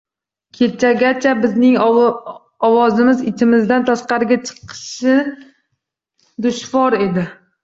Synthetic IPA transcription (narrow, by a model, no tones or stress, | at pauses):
kʲʰet͡ʃʰaɡʲat͡ʃʰabɪznɪŋ | ɒwɒzɪmɪzɪt͡ʃʰɪmɪzd̪ant̪ʰaʃqɑɾɪɡʲat͡ʃʰɨ̥qʰɨ̥ʃɪ | d̪ʊʃvɒɾe̞d̪ɪ